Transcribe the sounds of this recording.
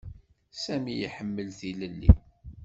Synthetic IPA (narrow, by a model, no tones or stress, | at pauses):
sæmijiħəmːəlθiləlːḭ